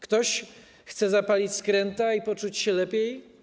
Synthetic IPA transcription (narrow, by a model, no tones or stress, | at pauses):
kt̪ɔɕ | xt̪sɛzapalʲit͡ɕʲskɾɛnt̪aipɔt͡ʂut͡ɕɕɛlɛpʲjej